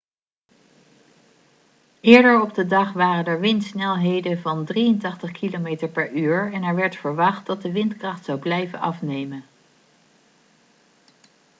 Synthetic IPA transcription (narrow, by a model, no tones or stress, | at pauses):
ɪːɹdəɹɔbdədɑχʋaːrənɛɹʋɪntsnɛlˠɦejdəvɑndrijəntɑχtəχkʰilomejtəɹpɛɹyːɹɛnɛɹʋɛɹtfəɹʋɑχt̚dɑt̚dəʋɪntkrɑχtsɑwblɛjvənɑ̰fnejmən